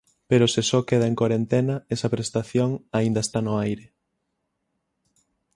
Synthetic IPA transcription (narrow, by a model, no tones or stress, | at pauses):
peɾosesɔkeð̞ɐeŋkwaɾent̪enɐesɐpɾest̪aθjoŋaĩnd̪ɐest̪anʊajɾe